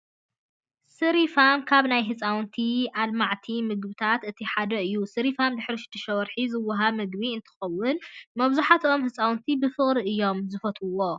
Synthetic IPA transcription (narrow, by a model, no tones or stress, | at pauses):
sɨɾifamkʰaβnajɦɨt͡sʼawnt̪ʰiʔalmaʕt̪ʰimɨɡbɨt̪ʰat̪ɨt̪ʰiħad̪ɐɨjːusɨɾifamd̪ɨħɾiʃɨ̥t̪ʰːɨʃɐwɐɾħizɨwːaɦaβmɨɡβiɨnt̪ʰɨ̥xɐwːʊnmɐβzuħat̪ʰomhɨt͡sʼawnt̪ʰibɨfɨχʼɾiʔɨjːo̞mzɨfɐt̪ʰɨwo̞